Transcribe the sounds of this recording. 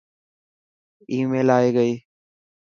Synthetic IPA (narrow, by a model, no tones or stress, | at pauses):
iːmeːlaːeːɡəiː